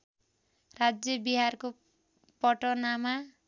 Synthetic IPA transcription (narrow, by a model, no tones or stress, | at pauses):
rad͡zjʌbiɦarko | pʌʈʌnama